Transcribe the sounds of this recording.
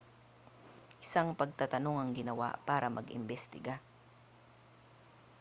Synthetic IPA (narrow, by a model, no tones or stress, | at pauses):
ʔɪsaŋpɐɡ̚t̪at̪ɐno̞ŋɐŋɡɪnɐwa̰paːɾɐmʔɐ̰ɡʔɪ̰mbɛst̪ɪɡa